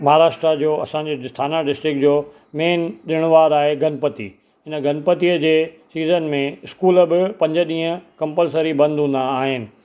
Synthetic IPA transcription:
mɐɦaːɾaːʃʈɾad͡ʑoːɐsãɲd͡ʑist̪ʰaːnaɖɪsʈɾɪkd͡ʑoː | meːnɗɪɽ̃ʋaːɾaːɦeɡʱɐnpət̪ḭː | ɦɪnəɡɐnpət̪iəd͡ʑeː | siːzənmẽɪskuːləbɪpɐ̃ɲd͡ʑəɗĩːɦə̃kɐ̃mpəlsəɾibɐ̃nd̪ʱɦũːn̆d̪aːɦɪnɪ̆

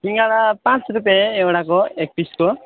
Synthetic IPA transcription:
ɦiŋɡaɭapãt͡ʃɾup̬jaeewɽakɔek̚piskɔ

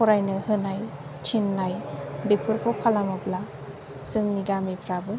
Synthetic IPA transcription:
ɔɾajnɯhɯnaj | tʰinːajbepʰɯɾpʰɔpʰalamɔpla | sɯŋniɡamipʰɾabɯ

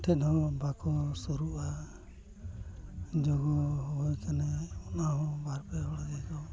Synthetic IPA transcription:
ʈʰɛɗɔ̃bakɔsuɾuʔa | d͡ʒɔɡɔɦɔɔjkanɛɔnaɦɔ̃baɾpɛɔɽad͡ʒɛɡɔ

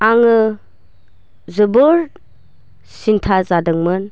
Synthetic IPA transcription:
aŋɯ | zɯbɯɾ | sintʰazadɯŋmɯn

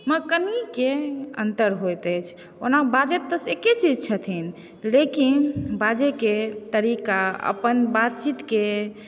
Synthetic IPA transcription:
məkənikeə̰nt̪əɾɦojt̪ət͡ʃʰ | o̰nabad͡ʒet̪ːəseket͡ʃid͡ʒt͡ʃʰət̪ʰin | lekinbad͡ʒeket̪əɾikaə̰pənbat̪̚t͡ʃit̪ke

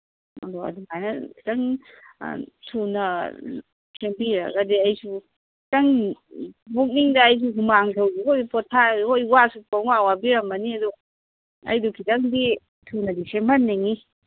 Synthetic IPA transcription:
ɐ̰dɔɐ̰duŋajnɐkʰi̥tɐŋ̰ | tʰunɐ | sembiɾɐ̰ɡɐdiɐjsu | kʰitɐŋ | bok̚niŋdɐːjs̬uɦumaŋtʰɐwɡihojpɔtʰahojwasupawawabiɾɐmbɐniɐdɔ | ɐ̰jdukʰitɐŋdi | tʰunɐdisembɐnːeŋi

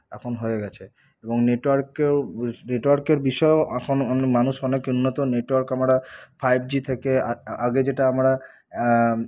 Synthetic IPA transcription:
ɛ̰kʰonɦoeɡɛt͡ɕʰe | eboŋneʈwaɾkeneʈoaɾkeɾbiʃɔeoɛkʰonɔnmanuʃɔnekunːot̪oneʈwaɾkamɾafʰajb̚d͡ʑit̪ʰekeaaɡed͡ʑeʈaamɾa

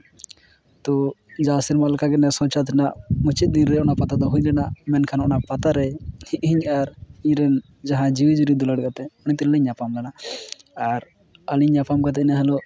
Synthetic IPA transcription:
t̪ɔd͡ʒasiɾmalkaɡɛnɛsɔ̃t͡ʃat̪ʰɛnaʔmut͡ʃit̪̚d̪inɾɛɔnapat̪ad̪ɔɦuɲlɛnamɛnkʰanɔnapat̪aɾɛhiʔ̚ɦiɲaɾiɲɾɛn | d͡ʒaɦãd͡ʒiwid͡ʒuɾid̪ɔlaɽkat̪ɛɔñit̪iɾliɲːapamlana | aɾ | əliɲːapamkat̪ɛnaɦɛlɔ

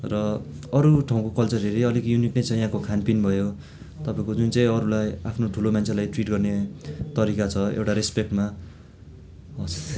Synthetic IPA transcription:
rʌ | ʌɾuʈʰaw̃kokʌlt͡sʌɾeɾiʌlikjuniknʌjt͡sʰʌjãkokʰanpinbʱʌjo | t̪ʌpaẽkod͡zunt͡sãĩʌɾulajapʰnoʈʰulomant͡sʰelajʈriʈɡʌrnet̪ʌɾikat͡sʰʌḛwʈaɾespek̚ʈma | ʌs

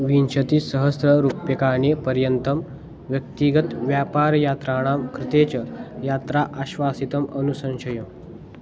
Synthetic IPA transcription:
ʋinɕət̪isəɦəsɾəɾupjəkaɳepəɾjənt̪əm | ʋjək̚t̪iɡət̪ʋjapaɾjat̪ɾaɽ̃amkɾɪt̪et͡ɕɐjat̪ɾaʔaɕʋasit̪əmənusə̃nɕəjo

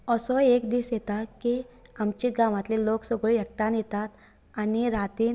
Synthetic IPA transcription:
ɔsɔekd̪iːsjet̪akiamt͡ɕiɡaʋãt̪liloksɔɡɭijək̚ʈãnjet̪at̪ | aniɾat̪iː

